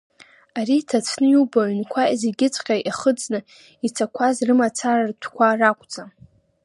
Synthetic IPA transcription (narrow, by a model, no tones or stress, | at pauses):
aɾitʰat͡sʷʰnɨjubaɥnkʷʰazeɡʲɪt͡sʷʼqʲʼaʔaχəd͡znɨ | it͡sʰakʷʰazrɨmat͡sʰarartʷʰkʷʰarakʷʼd͡zʼa